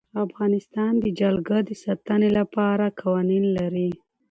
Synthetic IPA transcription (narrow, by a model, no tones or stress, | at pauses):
afɣɑnɪst̪ɑnd̪əd͡ʒalɡəd̪əsat̪ənelapɑɾakʰɑwɑninlaɾi